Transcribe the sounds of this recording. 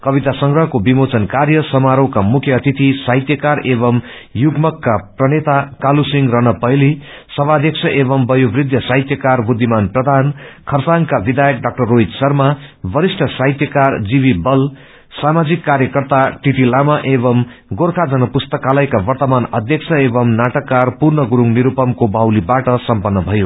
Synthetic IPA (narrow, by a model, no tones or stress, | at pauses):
kʌbit̪asʌŋɡɾʌɦkobimot͡sʌnkaɾjʌsʌmaɾowkamukʰjʌːt̪it̪ʰisaɦjt̪jʌkarebʌm | juɡmʌkːaprʌnet̪akalusiŋɡrʌɦnʌpʌjli | sʌbad̪ʱjʌkt͡sʰʌʔeβʌmbʌjubrid̪ʱjʌsajt̪jʌkarbud̪ʱːimanprʌd̪ʱankʰʌrt͡saŋkabid̪ajʌk̚ɖʌk̚ʈʌrːoit̪sʌrmabʌɾisʈʰʌsajt̪jʌkard͡zibibʌl | samad͡zikːaɾjʌkʌrt̪aʈiʈilamaʔebʌmɡoɾkʰad͡zʌnʌpust̪ʌkalʌjkabʌrt̪ʌmanʌd̪ʱjʌkt͡sʰʌebʌmnaʈʌkːarpurnʌɡuɾuŋniɾupʌmkobawlibaʈʌsʌmpʌnːʌbʱʌjo